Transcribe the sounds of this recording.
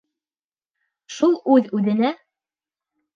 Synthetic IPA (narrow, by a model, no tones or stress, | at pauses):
ʃulˠʉðʉðɘ̆næ